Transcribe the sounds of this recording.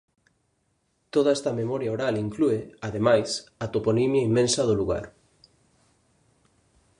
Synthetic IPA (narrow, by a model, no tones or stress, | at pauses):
t̪oðaɛst̪ɐmemɔɾjaoɾaliŋklueað̞emajsat̪oponimjaimːẽnsɐð̞oluɣ̞a̰ɾ